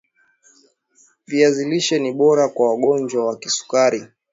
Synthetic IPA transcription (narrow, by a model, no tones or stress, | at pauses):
viaziliʃɛniɓɔɾakwawaɠɔnd͡ʒwawakisu̥kaɾi